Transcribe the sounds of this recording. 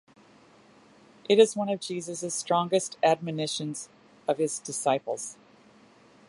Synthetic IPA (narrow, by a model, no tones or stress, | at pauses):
ʔɨɾɨzwʌ̃nʌvd͡ʒizɨzɨz̥stɹ̥ɔ̃ŋɡɨstæd̚mɨnɪʃɨ̃nz̥ | ʌv̥ɨzdɨsaɪpl̩ˠz̥